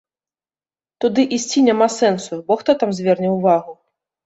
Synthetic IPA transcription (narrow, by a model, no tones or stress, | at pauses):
t̪ud̪ɨʔisʲt͡sʲinʲamasɛnsubɔxt̪ɔt̪amzʲvʲɛrnʲɛwvaɣu